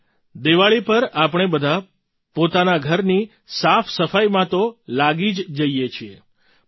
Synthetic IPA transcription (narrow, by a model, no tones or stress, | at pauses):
d̪eʋaɭipəɾapɳ̃ebəd̪ʱa | pot̪anaɡʱəɾni | safsəfajmãt̪olaɡid͡ʒd͡ʒəijet͡ʃʰie